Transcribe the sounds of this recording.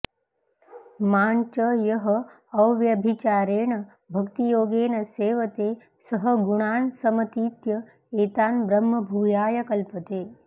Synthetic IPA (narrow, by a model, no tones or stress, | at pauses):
maːnt͡ʃɐjɐɦɐ | ɐwʋjɐbʱit͡ʃaːɾeːɳɐ | bʱɐkt̪ijoːɡeːnɐseːʋɐt̪eː | sɐɦəɡuɳaːɳsɐmɐt̪iːt̪jɐ | eːt̪aːnbɾɐmːɐbʱuːjaːjɐkɐlpɐt̪eː